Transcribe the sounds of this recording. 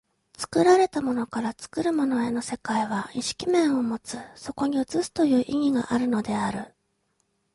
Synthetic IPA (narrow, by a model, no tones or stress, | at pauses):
t͡sɨ̥kɯ̟ɾaɾe̞t̪amo̞no̞kaɾat͡sɨ̥kɯ̟ɾɯ̟mo̞no̞e̞no̞se̞kaiβ̞aiɕi̥kʲimẽ̞ɰ̃o̞mo̞t͡sɨso̞ko̞ɲ̟iɯt͡sɨsɨ̥t̪o̞jɯ̟ːʔiŋ̟iɡa̰ʔaɾɯ̟no̞d̪e̞aɾɯ̟